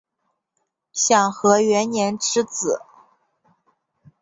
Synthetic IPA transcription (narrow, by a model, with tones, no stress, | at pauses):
ɕjɑ˥˩ŋxɤ˧˥ɥɛ˧˥nnjɛ˧˥nʈ͡ʂɻ̩˥t͡sɹ̩˨˩˦